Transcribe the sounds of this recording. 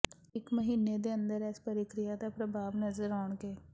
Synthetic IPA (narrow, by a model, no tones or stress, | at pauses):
ɪkməɦiːneːd̪eːə̃nd̪əɾɛːspəɾɪkɾɪjaːd̪aːpɾəbʱaːʋnəzəɾaːɳɡeː